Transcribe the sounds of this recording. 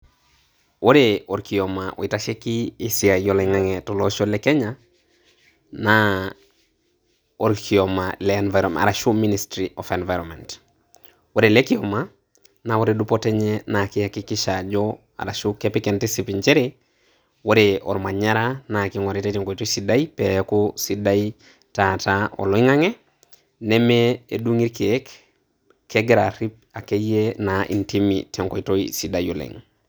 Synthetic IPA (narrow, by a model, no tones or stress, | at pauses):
woɾeoɾkiɔmaʔo̰itaʃekiːsiajɔleŋaŋɛtɔloʃɔlɛkɛɲa | na | oɾkʰiɔmalɛːnvaɾɔa̰ɾaʃuministɾiʔɔfɛnvajɾɔmɛnt | woɾelɛkiɔma | nawoɾedupɔtɛɲɛnakihakikiʃad͡ʒɔ | a̰ɾaʃukepikɛntisipint͡ʃeɾe | woɾeɔɾmaɲaɾanakiŋɔɾitetɛŋkoitoisidaipekusidai | tataɔ̰lɔiŋaŋe | nemeeduŋiɾkek | kʰːeɡɾaɾip̚ | akejenaḭntimḭtɛŋkoitoisidajolḛŋ